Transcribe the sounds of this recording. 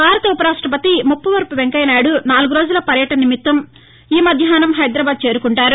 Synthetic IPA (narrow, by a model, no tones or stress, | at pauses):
maːɾɐt̪ɐupɐɾaːʂʈɾɐp̬ɐt̪imupːɐʋɐɾpuʋeŋkɐjnaːɽunaːluɡuɾo̞ːd͡ʒulɐpɐɾjɐʈɐnɐnimit̪ːɐm | iːmɐd̪ʱjaːnɐmɦɐjd̪ɾɐbaːd̪̚t͡ʃe̞ːɾukuɳʈaːɾu